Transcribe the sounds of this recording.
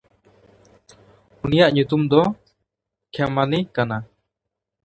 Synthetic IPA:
unijaʔɲut̪umd̪ɔ | kʰɛmanikana

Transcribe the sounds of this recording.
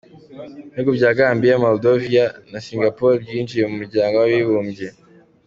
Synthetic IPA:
nekubɟaːɡaːmbijamoldovianasiːŋɡapoɾijiːnd͡ʒijemumuɾɟaːŋɡowawiβuːmbje

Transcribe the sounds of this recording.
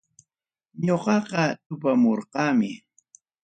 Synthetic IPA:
ɲoqɑqɑt̪ʊpamoɾqɑːmɪ

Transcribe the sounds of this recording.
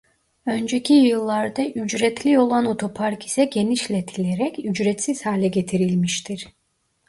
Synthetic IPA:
ø̞nd͡ʒecʰijɯlˠːaɾd̪aʔyd͡ʒɾɛt̪ʰlʲio̞lˠano̞t̪ʰo̞pʰaɾki̥sɛɟe̞niʃlʲɛt̪ʰilʲeɾɛcyd͡ʒɾɛt̪siz̥haːlʲɛɟe̞t̪ʰiɾilʲmiʃt̪ʰiɾ̥

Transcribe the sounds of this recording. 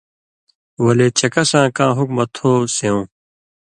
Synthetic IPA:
wɐleːt͡ɕɐkɐsãːkãːɦukmɐt̪ʰhoːseõː

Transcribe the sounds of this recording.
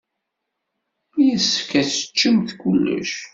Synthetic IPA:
jəsfkːæt͡sə̥t͡ʃːəmθkulːə̰ʃ

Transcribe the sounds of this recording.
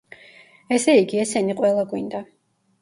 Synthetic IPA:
ɛsɛiɡiɛsɛniqʼwɛlˠaɡwind̪a

